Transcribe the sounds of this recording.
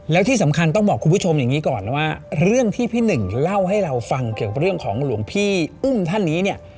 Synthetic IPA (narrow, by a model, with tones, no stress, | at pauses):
lɛː˦˥wt̪ʰiː˥˩a˩˦mkʰa˧nt̪̬ɔ˥˩ŋbɔː˨˩kʰu˧pʰu˥˩t͡ɕʰo˧mja˨˩ŋːiː˦˥kɔː˨˩nwaː˥˩ɾɯ˥˩əŋt̪ʰiː˥˩pʰiː˥˩nɯ˨˩ŋla˥˩wɦa˥˩jɾa˧wfa˧ŋki˨˩wka˨˩ɾɯ˥˩əŋkʰɔ̰ː˩˦ŋlu˨˩˦əŋpʰiː˥˩ʔu˥˩mt̪ʰa˥˩nːiː˦˥ni˥˩ə